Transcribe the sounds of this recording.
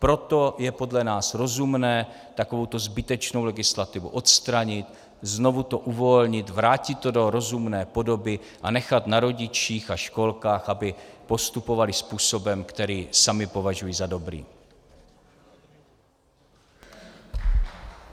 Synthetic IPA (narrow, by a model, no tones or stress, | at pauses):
pɾo̞t̪o̞jɛpo̞dlɛnaːsɾo̞zumnɛː | t̪ako̞vo̞wt̪o̞zbɪt̪ɛt͡ʃno̞wlɛɡɪslat̪ɪvṵʔo̞t̪st̪ɾaɲɪt̪ | znovut̪o̞ʔuvo̞lɲɪt̪vɾaːcɪt̪ːodo̞ɾo̞zumnɛːpo̞do̞bɪ | ʔanɛxat̪naɾo̞ɟɪt͡ʃiːxaʃko̞lkaːxʔabɪpo̞st̪upo̞valɪspuːso̞bɛmkt̪ɛɾiːsamɪpo̞vaʒujiːzado̞bɾḭː